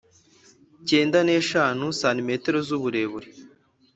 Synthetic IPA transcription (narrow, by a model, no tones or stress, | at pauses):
ceːndane̞ːʃaːnusaːnimeːteɾozuβuɾe̞βuɾi